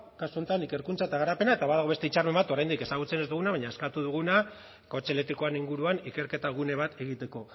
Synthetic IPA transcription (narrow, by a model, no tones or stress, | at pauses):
kasuo̞nt̪anike̞ɾkunt͡saet̪aɣ̞aɾape̞naet̪aβaðaɣe̞st̪e̞it͡ʃarme̞mbat̪o̞ɾajnd̪ike̞saɣ̞ut͡se̞ne̞zd̪uɣ̞unaβaɲaeskat̪uð̞uɣ̞una | kot͡ʃe̞let̪iko̞aniŋɡuɾuanike̞ɾke̞t̪aɣ̞une̞β̞at̪ʰe̞ɣit̪e̞ko̞